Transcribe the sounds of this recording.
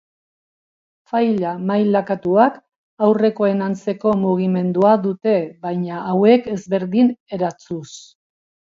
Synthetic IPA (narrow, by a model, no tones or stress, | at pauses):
fajʎamajlakat̪uak | awre̞ko̞e̞nant͡se̞ko̞muɣ̞ime̞nd̪uaðut̪e̞βajɲaʔːwe̞ke̞zβe̞ɾðine̞ɾat͡sus